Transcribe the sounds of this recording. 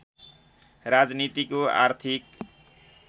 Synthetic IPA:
rad͡znit̪ikoa̰rt̪ʰik

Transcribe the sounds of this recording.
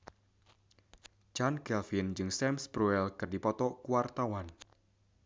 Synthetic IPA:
d͡ʒanɡɛlfind͡ʒɨŋsɛmsbɾuɛlkərdipɔt̪ɔkuwart̪awan

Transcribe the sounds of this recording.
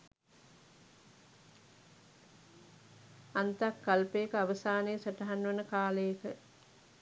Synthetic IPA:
ant̪akːalpejːkəaʋəsaːneːsaʈɐɦanːʋɐnəkaːlejːkə

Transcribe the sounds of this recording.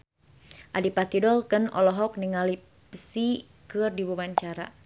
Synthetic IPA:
ʔadipat̪idɔlkənɔ̰lɔɦɔk̚niŋali | pəsi | kɨrdibubaɲt͡ʃaɾa̰

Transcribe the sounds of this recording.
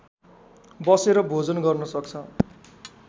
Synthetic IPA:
bʌseɾʌbʱod͡zʌnɡʌrnʌsʌkt͡sʰʌ

